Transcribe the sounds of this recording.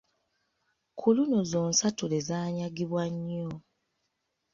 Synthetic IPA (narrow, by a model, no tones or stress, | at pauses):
kʰuluno̞zoːnsatulezaːɲaɡiβwaɲːo